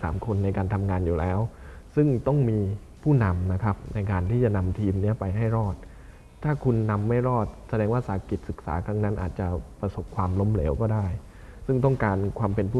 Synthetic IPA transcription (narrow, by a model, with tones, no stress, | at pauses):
saː˩˦mkʰo˧nːa˧jkaː˧nt̪ʰa˧mŋaː˧njuː˨˩lɛː˦˥w | sɯ˥˩ŋt̪ɔ˥˩ŋmiː˧ | pʰuː˥˩na˧mna˦˥kʰa˦˥p̚na˧jkaː˧nt̪ʰiː˥˩t͡ɕa˨˩na˧mt̪ʰiː˧mni˦˥ɐpa˧jɦa˥˩jɾɔː˥˩t̪̚ | t̪ʰːaː˥˩kʰu˧nːa˧mːa˥˩jɾɔː˥˩t̪̚sa˧dɛː˧ŋwaː˥˩saː˨˩˦ki˨˩t̪̚sɯ˨˩k̚sa̰ː˩˦kʰɾa˦˥ŋna˦˥nʔaː˨˩t̪̚t͡ɕa˨˩pɾa˧so˨˩p̚kʰwaː˧mlo˦˥mle˩˦wkɔː˥˩daː˥˩j | sɯ˥˩ŋt̪ɔ˥˩ŋkaː˧nkʰwaː˧mpe˧npʰuː˥˩